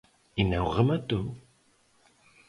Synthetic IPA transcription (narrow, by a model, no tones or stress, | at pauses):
inauʁəmat̪u